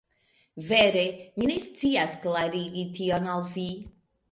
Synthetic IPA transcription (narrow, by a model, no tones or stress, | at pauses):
veɾeminestt͡siasklaɾiɡitionalvi